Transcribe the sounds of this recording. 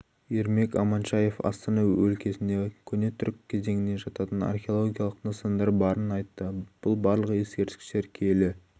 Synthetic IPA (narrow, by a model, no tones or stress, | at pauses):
eɾme̞kɑ̰mɑnʃɑje̞fɑ̰st̪ɑnɑwɵlkʲe̞sɪnd̪e̞kʲʰɵne̞t̪ʰʏɾkʲʰːe̞ze̞ŋɪne̞ʒɑt̪ɑt̪ənɑ̰rχʲeo̞lˠoɡʲijɑlˠəqnosɑnd̪ɑɾbɑɾənɑjt̪ːəb̥ʊlˠbɑɾlˠəqe̞skʲe̞ɾt̪ɪ̥kst̪e̞ɾkʲʰe̞lɪ